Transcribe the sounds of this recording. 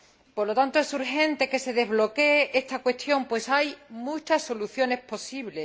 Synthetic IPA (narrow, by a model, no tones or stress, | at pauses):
po̞ɾlo̞t̪ant̪oe̞suɾxẽ̞nt̪e̞ke̞se̞ðe̞βlo̞keeʔest̪akwe̞st̪jo̞mpwe̞sajmut͡ʃasːo̞luθjo̞nespo̞siβ̞le̞